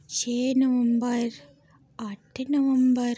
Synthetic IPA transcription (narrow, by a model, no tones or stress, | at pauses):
ʃeːnɐʋɐmbɐɾ | aʈːɨnɐʋɐmbɐɾ